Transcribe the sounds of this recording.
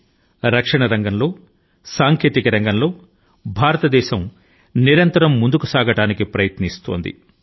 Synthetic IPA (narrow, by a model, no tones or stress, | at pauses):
ɾɐkʂɐɳɐɾɐŋɡɐnlo̞ː | saːŋkeːt̪ikɐɾɐŋɡɐnlo̞ː | bʱaːɾɐt̪ɐd̪ɛːʃɐm | niɾɐnt̪ɐɾɐmːund̪ukusaːɡɐʈaːnikipɾɐjɐt̪nist̪oːnd̪ḭ